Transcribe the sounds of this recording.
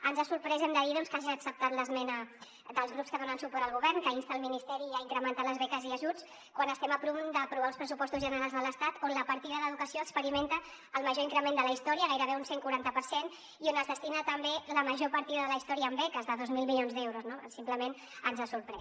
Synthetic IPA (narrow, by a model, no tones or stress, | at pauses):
ənzasuɾpɾɛzemd̪əðiðonskaʒiəksəp̚t̪at̪ləzmɛnə | d̪əlˠzɣɾupskəðonənsupɔɾəlˠɣuβɛrnkəinst̪əːlminist̪ɛɾiəiŋkɾəmənt̪aləzβɛkəziəʒut͡s | kwanəst̪ɛməpɾumd̪əːpɾuβalˠspɾəsupɔst̪uzʒənəɾalˠzðələst̪at̪onləpəɾt̪iðəðəðukəsioəkspəɾiment̪əː | lˠməʒoiŋkɾəmẽnd̪ələist̪ɔɾiəɣajɾəβeunseŋkuɾant̪əpəɾsen | ionəzðəst̪inət̪əmbeləməʒopəɾt̪iðəðələist̪ɔɾiəːmbɛkəzðəðozmilˠmilionzd̪ɛwɾuznosimpləmen | ənzasuɾpɾɛ